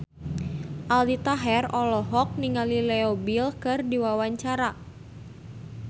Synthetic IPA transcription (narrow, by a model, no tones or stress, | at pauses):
ʔaldit̪aɦɛrɔlɔɦɔk̚niŋalilɛobilkɨrdiwawaɲt͡ʃaɾa